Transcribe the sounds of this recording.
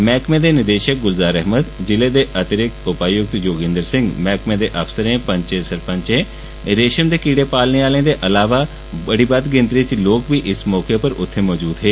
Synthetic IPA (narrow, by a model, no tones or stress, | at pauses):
mɛːkmẽːd̪eːnɪd̪eːʃək̚ɡʊlzaːɾɛɦməd̪d͡ʒɪleːd̪eːʔət̪əɾɪkʊpaːjʊk̚t̪joːɡɪ̃nd̪əɾsɪ̃ŋɡmɛːkmẽːd̪eːʔəfsəɾẽːpə̃ɲt͡ʃeːsəɾpə̃ɲt͡ʃẽː | ɾeːʃənd̪eːkiːɽeːpaːlneːaːlẽːd̪eːʔəlaːʋaː | bəɽiːbəd̪ɡɪ̃nd̪ɾɪt͡ʃloːkbiːʔɪsmɔːkepəɾʊt̪ʰːeːmɔːd͡ʒuːd̪ɦeː